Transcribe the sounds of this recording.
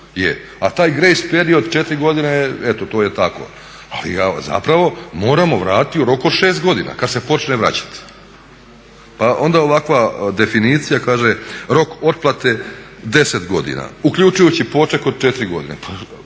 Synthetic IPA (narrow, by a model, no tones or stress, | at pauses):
jḛ | at̪aːjɡɾejspeɾio̞d̪t͡ʃet̪ɾiɡo̞d̪ineet̪ot̪oːjet̪ako̞̰ | a̰lḭɡaza̰pɾaʋo̞mo̞ːɾamo̞ʋɾaːt̪t̪iuɾo̞kod̪ʃe̞ːst̪ɡo̞d̪ina̰kad̪se̞po̞t͡ʃneʋɾa̰t͡ɕḁt̪ | paʔo̞nd̪ao̞ʋakʋad̪e̞finiːt̪sijakaːʒeɾo̞ko̞t̪̚plˠat̪e̞ | d̪e̞set̪ɡo̞̰d̪ḭna̰ukʎʲut͡ʃujut͡ɕipo̞t͡ʃeko̞d̪̚t͡ʃet̪ɾiɡo̞̰d̪inḛpʰa